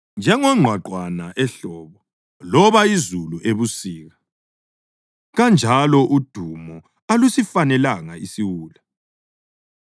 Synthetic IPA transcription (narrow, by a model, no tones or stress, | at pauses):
nd͡ʒʱɛŋɔŋ͡ǁʱwaǃwanaʔɛɬɔːβɔ | lɔβaizuluʔeβusiːɣa | ɣand͡ʒʱalɔʔud̥ʱumɔ | alusifanɛlaŋaisiwuːla